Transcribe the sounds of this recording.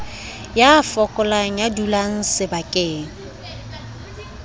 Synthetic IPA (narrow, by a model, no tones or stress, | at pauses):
jafɔkʼɔlaŋ̩jadulan̩sɪbakʼeːŋ̩